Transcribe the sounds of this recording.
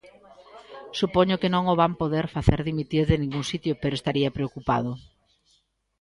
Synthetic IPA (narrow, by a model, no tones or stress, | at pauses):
supoɲʊkenõŋoβampoðeɾfaθeɾðimit̪iɾðɪnĩŋɡuŋsit̪jʊpeɾoest̪aɾiɐpɾeokupa̰ðʊ